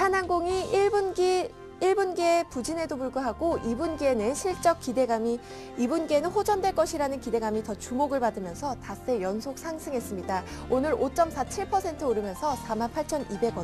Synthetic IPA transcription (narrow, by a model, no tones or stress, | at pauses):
hananɡoŋib | iɭbunɡepud͡ʑine̞dopuɭɡuɦaɡoibunɡenɯnɕʰiɭt͡ɕ͈ʌk̚k͈ide̞ɡami | ibunɡenɯnɸod͡ʑʌndweɭk͈ʌɕʰiɾanɯnkide̞ɡamitʌt͡ɕumoɡɯɭpadɯmjʌnsʰʌtas͈e̞jʌnsʰok̚sʰaŋsʰɯŋɦe̞s͈ɯmɲida | onɯɾot͡ɕ͈ʌmsʰat͡ɕʰiɭpʰʌsʰe̞ntʰɯoɾɯmjʌnsʰʌsʰamanpʰaɭt͡ɕʰʌnibe̞ɡwʌ